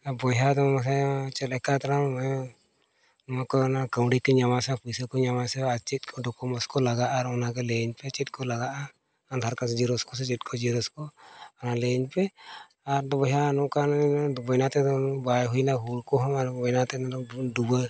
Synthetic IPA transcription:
abɔjɦad̪ɔmas̬ɛt͡ʃɛlɛkat̪aɾam | nɔmakɔnakawɖikɔɲamasɛpʰusɔkɔɲamasɛat͡ʃit̪̚kʰɔdɔkɔmɔskɔlaɡaʔaɾɔnaɡɛleɲpɛt͡ʃit̪̚ˀkʰɔlaɡaʔa | ant̪aɾkansd͡ʒiɾɔskɔs̬ɛt͡ʃit̪̚kʰɔd͡ʒiɾɔskɔɔnaleɲpɛ | aɾd̪ɔbɔjɦanɔʔkanbɔjnat̪ɛd̪ɔnbajɦujnaɦuɽkɔɦɔmaɾbɔjnat̪ɛnd̪ɔdubɔj

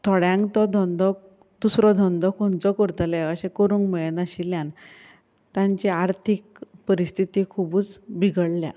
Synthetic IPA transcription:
t̪ʰɔɽjãŋkt̪ɔd̪ʱɔnd̪ɔk̚ | d̪̥usɾɔd̪ʱɔnd̪ʱɔkʰɔnt͡sɔkɔɾt̪əlɛəɕẽkɔɾuŋkmɛɭənaɕiljãn | t̪jãɲt͡ɕiaɾt̪ʰik | pəɾist̪ʰit̪ikʰubuːt͡sbʱiɡəɽlja̰

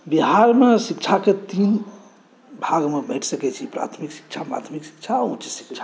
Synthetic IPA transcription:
biɦaɾmesikt͡ʃʰaket̪in | bʱaɡmebəɪʈʰsəkɛt͡ʃʰipɾa̰t̪ʰmiksi̥kt͡ʃʰapɾa̰t̪ʰmiksi̥kt͡ʃʰaũt͡ʃsi̥kt͡ʃʰḁ

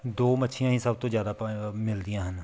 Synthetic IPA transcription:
d̪oːmətːʃʰijãːɦĩːsəbt̪õːzjaːd̪aːmɪld̪ɪjãːɦən

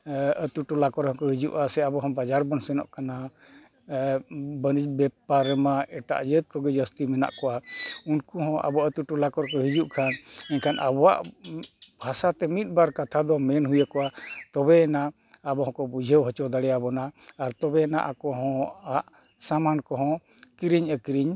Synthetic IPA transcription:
ət̪uʈulakɔɾɔ̃kɔɦid͡ʒṵʔasɛabɔɦɔ̃bad͡ʒaɾbɔnsɛnɔ̰ʔkana | bənid͡ʒbɛpaɾɛmaɛʈa̰ʔd͡ʒət̪̚kɔɡɛd͡ʒəst̪imɛna̰ʔkɔʔaunkuɦɔ̃ʔa̰bɔaət̪uʈulakɔɾkɔɦid͡ʒuʔkʰanɛɲkʰanʔabɔwa̰ʔ | bʱasat̪ɛmit̪̚ˀbaɾkat̪ʰad̪ɔmɛnɦujakɔʔat̪ɔbɛɛnaː | bɔɦɔ̃kɔbud͡ʒʱəwɦɔt͡ʃɔd̪aɽɛjabɔnaːɾt̪ɔbɛɛna̰ʔakɔɦɔ̃aʔ | samankɔɦɔ̃ | kiɾiɲəkiɾiɲ

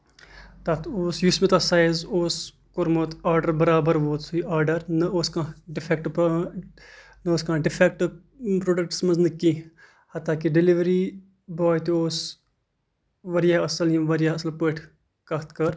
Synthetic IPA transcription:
t̪at̪oːsjusmit̪asaːjzoːs | koɾmot̪aːɾɖɐɾbɐɾaːbɐɾʋoːt̪suiaːɾɖɐɾnɐoːskãːɖɪfʰekʈp | nɐoːskãːɖɪfʰek̚ʈ | pɾoːɖɐk̚ʈsmɐznɐkĩ | hɐt̪ːaːkiɖiliʋɐɾi | bɔːjt̪ioːs | ʋɐɾjaːɐsɐlɦĩʋɐɾjaɐsɐlpeːʈʰ | kɐt̪ʰkɐɾ

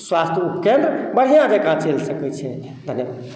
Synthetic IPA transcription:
swast̪ʰupkend̪ɾəbəɽ̤ijãd͡ʒekãt͡ʃelsəkɛt͡ʃʰɛ | d̪ʱənjebad̪d̪

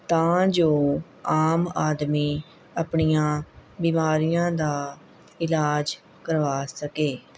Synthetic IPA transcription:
t̪ãːd͡ʒoː | aːmaːd̪miː | əpɳijãːbiːmaːɾijãːd̪aː | ɪlaːd͡ʒ | kəɾʋaːsəkeː

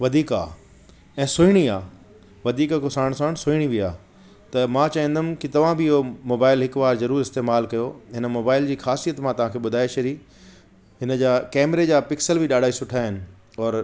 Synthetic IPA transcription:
ʋɐd̪ʱiːka̰ː | ɛ̃ːsʊiɽ̃iaː | ʋɐd̪ʱiːkkʊsaːɽ̃saːɽ̃sʊiɽ̃ibiaː | t̪ɐmãt͡ɕɐːɦĩnd̪ʊmkit̪ɐʋ̤ãbʱɪɪɦomoːbaːɪlɦɪkʋaːɾzɐɾuːɾɪst̪eːmaːlkɐjoɦɪnəmoːbaːɪld͡ʑiːxaːsijət̪mãt̪ɐʋ̤ãkʰeːɓʊd̪ʱaːeʃɐɾi | ɦɪnəd͡ʑaːkɛːmɾed͡ʑaːpɪksəlbʱɪɗaːɖʱaːisʊʈʰaːɦɪnɪ̆ | ɔːɾ

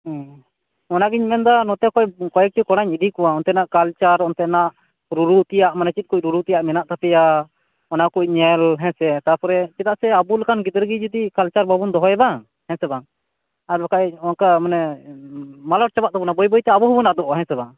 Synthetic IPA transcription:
ɔnaɡiɲmɛnd̪anɔt̪ɛkɔjkɔjɛk̚ʈikɔɽaɲiɖikɔwaɔnt̪ɛnaʔkalt͡ʃaɾɔnt̪ɛnaʔ | ɾuɾut̪ɛjaʔmanɛt͡ʃit̪̚kuc̚ɾuɾut̪ɛjaʔmɛnaʔt̪apɛja | ɔnakuc̚ɲɛlɦɛ̃sɛt̪aɾpɔɾɛt͡ʃɛt̪aʔsɛabulakanɡid̪ɾɡid͡ʒud̪ikalt͡ʃaɾbabund̪ɔɦɔjɛba | hɛ̃sɛbaŋ | aɾlakaɔnkamanɛ | malɔʈ̚t͡ʃabaʔt̪abɔnabɔjbɔjt̪ɛabɔɦɔbɔnaʔd̪ɔʔɔɦɛ̃nsɛbaŋ

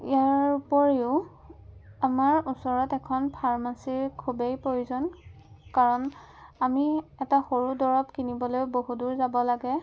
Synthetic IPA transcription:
ijaɹpɔɹeʊ | amaɹusɔɹɔtɛkʰɔnpʰaɹmasiɹkʰubejpɹojuzɔn | kaɹɔn | amiɛtaxoɹudɔɹɔpkinibɔlojboɦuduɹzabɔlaɡɛ

